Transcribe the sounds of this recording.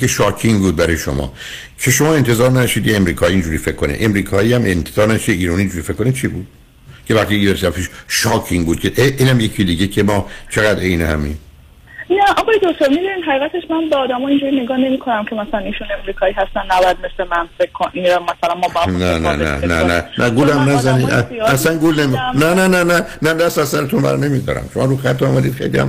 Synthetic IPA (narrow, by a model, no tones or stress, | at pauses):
eʃɒːkʰiŋbuːd̪̚bæɾɒjeʃo̰mɒ̰ː | cʰe̞ʃomɒːe̞nt̪ʰe̞zɒːɾnæʃiːd̪jeemɾiːkʰɒːiiːnd͡ʒuːɾiːfekʰːonḛʔemɾiːkʰɒːiːæmʔent̪ʰez̥ɒːɾnæʃiiːɾɒːniːnd͡ʒuɾiːfe̞kːonit͡ʃʰibuːd̪̥̚ | cʰevæɾt̪iiveɾsfiʃʃɒːcʰiŋbuːd̪̥̚cʰeʔeʔiːnhæmjecʰid̪iːɟecʰemɒːt͡ʃʰe̞ɣæd̪ejnehæmiːm | næʔɒɣɑjed̪oc̚t̪ʰoɾmid̪uniːd̪ɦæʁiːɣæt̪ʰeʃmænbeɒːd̪æmɒĩnd͡ʒuɾineɡɒːne̞mikʰo̞næmcʰe̞mæsælæniːʃunemɾiːkʰɒːiːɦæst̪ænːæbɒjæd̪̚meslemænfekʰːonʔinmæsælænmɒmænænæ̰næ̰næ̰nænæɡulæmnæzænid̪ææsæŋɡulnemiknænænænænæd̪æst̪æsæɾet̪ʰunbæ̰ɾne̞miːd̪ɒ̰ːɾæ̰mʃomɒːɾuxæt̪ːoɒːmæd̪iːd̪̥xe̞jliæ̰m